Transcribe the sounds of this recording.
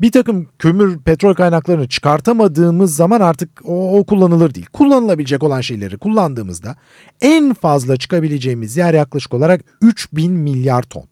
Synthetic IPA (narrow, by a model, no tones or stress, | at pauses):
biɾt̪ʰakɯmcʰømyɾpʰɛt̪ɾo̞lʲkʰajnaklˠaɾɯnɯt͡ʃʰɯ̥kaɾt̪ʰamad̪ɯːmɯzːamanaɾt̪ʰɯk̚okʰulˠːanɯlˠɯɾd̪ḭːlʲkʰulˠːanɯlˠabilʲed͡ʒɛk̬o̞lˠanʃe̞jlʲeɾikʰulˠːand̪ɯːmɯ̰zd̪a | ænfazlˠat͡ʃʰɯ̥kabilʲe̞d͡ʒe̞jimizijæɾjaklˠaʃɯ̥ko̞lˠaɾak | yt͡ʃbinmilʲjaɾt̪ʰo̰n